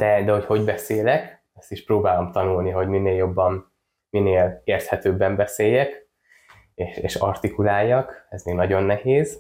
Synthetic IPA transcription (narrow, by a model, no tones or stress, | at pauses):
d̪̥ɛd̪ɛho̞cho̞ɟbɛseːlɛk | ɛst̪iʃproːbaːlomt̪ɒnulniɦo̞ɟmineːljo̞bːɒm | mineːleːrt̪hɛt̪øːbːɛmbɛseːjːɛk | eːʃḛːʃɒ̰rt̪ikulaːjːɒkɛzmeːɡnɒɟo̞nːɛheːz